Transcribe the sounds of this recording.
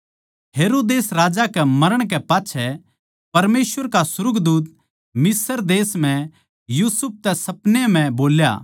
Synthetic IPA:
ɦeːɾoːd̪eːsɾaːd͡ʒakɛmɐɾəɽ̃k̬ɛpaːtːʃʰɛ | pɐɾmeːsʋəɾkasʊɾʊɡd̪uːt̪̚ | mɪsəɾd̪eːsm̤ɛ̃ | juːsʊp̚ʰt̪ɛsɐpnem̤ɛ̃boːlja̰ː

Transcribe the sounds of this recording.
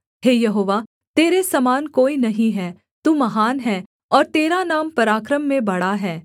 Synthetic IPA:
ɦeːjɐɦoːʋa | t̪eːɾesɐmaːnkoːinɐɦĩɦɛː | t̪uːmɐɦaːnɦɛː | ɔːɾt̪eːɾanaːmpɐɾaːkɾəmːẽbɐɽaɦɛː

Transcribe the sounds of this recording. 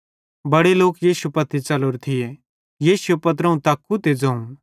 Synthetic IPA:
bɐɽeloːkjiːsupɐt̪ʰːit͡ʃɐloːɾt̪ʰɪje | jiːsuepɐt̪̬ɾɐũt̪aːkːut̪ed͡zɐũ

